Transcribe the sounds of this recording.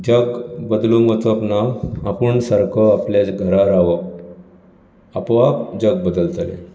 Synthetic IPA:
d͡ʑəɡbəd̪lumət͡s̪əpnaapuɳsəɾkʰəapljat͡sɡʱəɾaɾaʋə | apʋapd͡ʑəɡ̚bəd̪əlt̪alḛ

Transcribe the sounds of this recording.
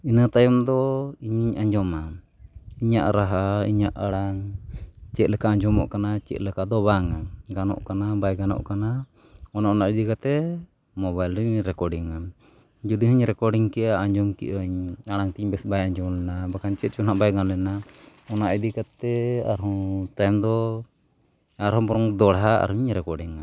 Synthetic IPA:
inat̪ajɔmd̪ɔiɲɲaɲd͡ʒɔma | iɲaʔɾaɦaḭɲaʔaɽaŋ | t͡ʃɛt̪̚lɛkaaɲd͡ʒɔmɔ̰ʔkanat͡ʃɛ̰ʔ̪̚lɛkad̪ɔbaŋaɡanɔ̰ʔkanabajɡanɔ̰ʔkana | ɔnaʔɔnaʔid̪ikat̪ɛ | mɔβajlɾiɾɛkɔɖiŋa | d͡ʒud̪ihuɲɾɛkɔɾɖiŋkɛʔaːɲd͡ʒɔmkḭʔaɲaɽaŋt̪iɲbɛsbajaɲd͡ʒɔmlɛnabakant͡ʃɛt̪̚t͡ʃunaʔbajɡanlɛna | ɔnaʔid̪ikat̪ɛa̰ɾɦɔt̪ajmd̪ɔ | aɾɦɔ̃pɔɾɔŋd̪ɔɽɦaa̰ɾuɲɾɛkɔɾɖiŋa

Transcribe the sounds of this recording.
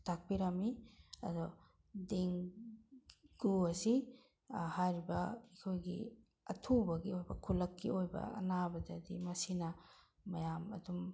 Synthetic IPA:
tʰak̚piɾɐmiɐ̰dɔ | deŋ | ɡ̥uɐsi | hajɾibɐikʰojɡḭ | ɐtʰubɐɡiojbɐkʰulɐkːḭojbɐ̰ɐ̰nabɐdɐdimɐsinɐː | ɐjamɐ̰dum

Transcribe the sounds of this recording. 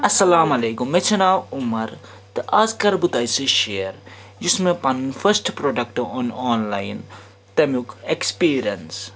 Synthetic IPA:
ɐsɐlaːmɐleːkumːet͡ʃʰɐnaːumɐɾ | t̪ɨʔaːzkɐɾbut̪aːjsɨʃeːɐɾ | d͡ʒismẽpɐnnfʰɐɾsʈpɾoːɖɐkʈoːnoːnlaːjn | t̪ɐmukekspiːɾijɐns

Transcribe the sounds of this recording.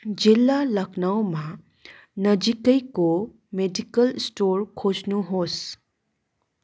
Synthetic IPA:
d͡ʒilːaləknawmã | nəd͡ʒikəjko | meɖikəlsʈoɾkʰod͡ʒnuɦos

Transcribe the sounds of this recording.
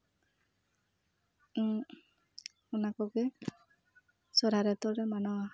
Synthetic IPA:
unakɔɡɛ | sɔɾaɾɛt̪ɔɾɛmanɔwa

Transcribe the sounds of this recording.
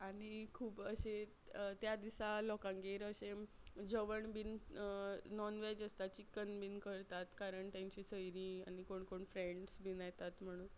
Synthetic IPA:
aɽ̃ikʰuːpəɕe | t̪jad̪isalɔkãŋɡeɾəɕed͡ʑəʋəɳbin | nɔnʋed͡ʑəst̪at͡ɕikənbinkəɾt̪at̪kaɾəɳʈant͡ɕisəjɾĩañikoɳkoɳfɾeɳɖsbinajt̪at̪m̤əɽ̃uːn

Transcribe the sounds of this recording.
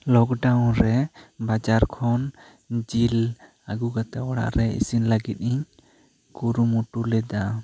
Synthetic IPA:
lɔkɖawnɾɛbad͡ʒaɾkʰɔn | d͡ʒil | aɡuɡat̪aɔɽa̰ʔɾɛḭsinlaɡit̪̚ˀiɲ | kuɾumuʈulɛd̪a

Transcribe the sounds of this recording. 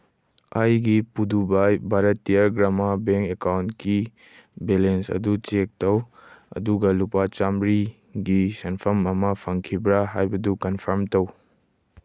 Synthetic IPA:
ajɡipudubajbʱaɾɐtːiaɾɡɾamabeŋkekawntki | belensɐ̰dut͡ʃek̚tɐwɐ̰duɡɐlupat͡ʃamɾi | ɡisɐnpʰɐmɐmɐpʰɐŋkʰibɾaɦajbɐdukɐnpʰɐɾmtɐw

